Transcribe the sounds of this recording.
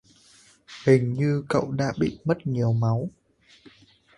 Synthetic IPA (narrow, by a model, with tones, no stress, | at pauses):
hï˨˩ŋ̟ɲɨ˧kə̰˧˨wɗa̰ː˧˥ɓḭ˧˨mə˦˥t̚ɲi˨˩əwma˨˦w